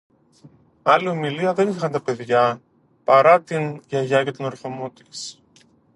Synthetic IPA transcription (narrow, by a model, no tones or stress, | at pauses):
ɐlio̞miliɐðe̞niixɐnt̪ɐpe̞ðʝɐ | pɐɾɐt̪inʝɐʝɐce̞t̪onoɾθo̞mo̞t̪i̥s